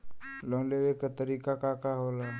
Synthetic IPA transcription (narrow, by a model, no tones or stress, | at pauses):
loŋleʋekat̪əɾikakakaɦola